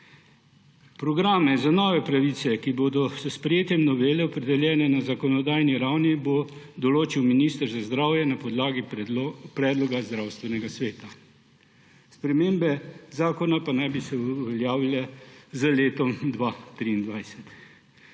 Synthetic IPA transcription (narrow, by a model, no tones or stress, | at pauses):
pɾɔɡɾaːmɛzanɔːʋɛpɾaʋisɛkiboːd̪ɔsəspɾɛjeːt̪jɛmnɔʋeːlɛɔpɾɛd̪ɛljɛːnɛnazakɔnɔd̪aːjniɾawnibo | d̪ɔloːt͡ʃiwminiːst̪əɾzazd̪ɾawjɛnapɔd̪laːɡipɾɛːd̪lɔɡazd̪ɾawst̪ʋɛnɛɡasʋeːt̪a | spɾɛmeːmbɛzaːkɔnapanajbisɛuʋɛljaːʋilɛzəleːt̪ɔmd̪ʋat̪ɾiːnd̪ʋajsɛt̪